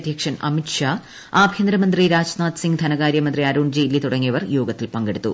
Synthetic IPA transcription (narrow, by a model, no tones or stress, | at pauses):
d̪ʱjɐkʂɐnɐ̰miʈʂaː | aːbʱjɐnd̪ɾɐmɐnd̪riɾaːd͡ʑnaːt̪siŋɡd̪ʱʰɐnɐɣaːɾjɐmɐnd̪riɐɾuːɳd͡ʑiilːit̪uɽɐŋːijɐʋɐrjoːɡɐt̪ːilpɐŋɡeɽut̪ːṵ